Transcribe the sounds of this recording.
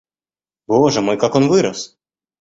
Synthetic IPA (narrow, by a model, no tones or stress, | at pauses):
bɔʐɛmɔjkakɔnvɨɾɐs